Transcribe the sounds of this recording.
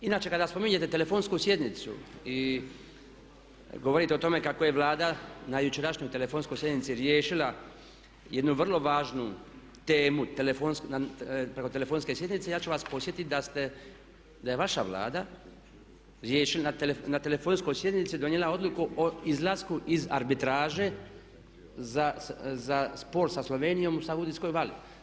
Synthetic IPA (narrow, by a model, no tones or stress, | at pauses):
inaːt͡ʃe̞kad̪aspo̞miɲe̞t̪e̞t̪e̞le̞fo̞ːnskusje̞d̪nit̪sṵi | ɡo̞ʋo̞ɾit̪eo̞t̪o̞me̞kako̞je̞ʋlaːd̪anajut͡ʃeɾaʃɲo̞jt̪elefoːnsko̞jsje̞d̪nit̪siɾjeːʃila | je̞d̪nuʋr̩lo̞ʋaːʒnu | t̪e̞ːmut̪elefonsknapɾe̞ko̞t̪ele̞fo̞ːnske̞sje̞d̪nit̪se̞jaːt͡ʃuʋaspo̞sje̞t̪it̪d̪ast̪e | d̪ajeʋaʃa̰ʋla̰ːd̪a | ɾjeːʃilnat̪elenat̪elefoːnskojsje̞d̪nit̪sid̪oɲjelao̞d̪lukuʔoizlˠaskuʔiza̰ɾbit̪ɾaːʒe̞ | zazaspo̞ɾsaslo̞ʋe̞ːnijo̞musaɡud̪isko̞jʋali